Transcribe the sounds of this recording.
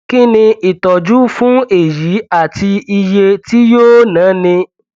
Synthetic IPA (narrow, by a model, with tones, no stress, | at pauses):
ki˦˨nĩ˧i˨tɔ˨d͡ʒu˦fũ˦e˦˨ji˨˦a˦˨ti˧i˧je˧ti˦joː˦nãː˨˦nĩ˧